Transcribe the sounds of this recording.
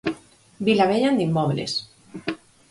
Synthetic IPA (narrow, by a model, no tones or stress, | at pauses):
bilaβeʎand̪imːɔβlḛs